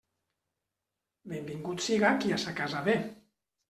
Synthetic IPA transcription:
bembiŋɡut̪siɣakiasakazaβe

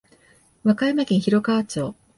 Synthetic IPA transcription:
βakaimakʲẽɰ̃çiɾo̞kaːt͡ɕoː

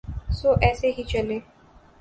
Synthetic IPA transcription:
soʔɛseɦit͡ʃɐle

